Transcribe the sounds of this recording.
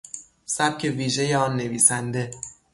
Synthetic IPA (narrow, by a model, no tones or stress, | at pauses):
sæb̚cʰe̞viːʒe̞jeɒːnːe̞viːsænd̪e̞